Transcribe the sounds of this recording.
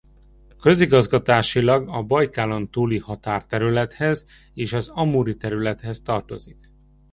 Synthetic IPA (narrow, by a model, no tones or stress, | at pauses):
kø̞ziɡɒzɡɒt̪aːʃilɒɡɒbɒjkaːlont̪uːlihɒt̪aːrt̪ɛɾylɛt̪hɛz | eːʃɒzɒmuːɾit̪ɛɾylɛt̪hɛst̪ɒrt̪o̞zik